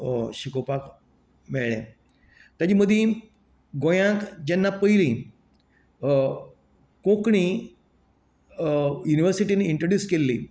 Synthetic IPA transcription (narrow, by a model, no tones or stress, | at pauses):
ɕikopak | meɭɭḛ̃ | t̪jad͡ʑiməd̪ʱːĩ | ɡojãkd͡ʑenːapəilĩ | kõkɳ̃i | juniʋəɾsiʈiniiɳʈɾəɖjuːskelːḭ